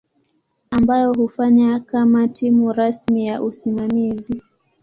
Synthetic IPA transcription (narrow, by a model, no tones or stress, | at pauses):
ambajɔɦufaɲakamatimuɾasmijaʔusimamizi